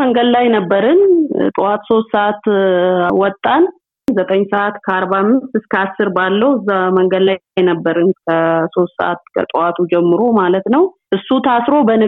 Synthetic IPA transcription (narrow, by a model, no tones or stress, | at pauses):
əŋɡəd̪lajnəbːəɾɨnt̪ʼɨwat̪so̞st̪səʔat̪ | wɔt̪ʼːan | zət̪ʼəɲːsəʔat̪kʰəaɾβamːɨst̪ɨskʰəasːɨɾbalːəhwɨzːaməŋɡəd̪lajjnəbːəɾɨnkʰəso̞st̪sə̰ʔa̰t̪kʰə̰t̪ʼɨwat̪ʰud͡ʒɛmːɨɾo̞malət̪nəwʔɨsːut̪ʰasɾo̞bənɨ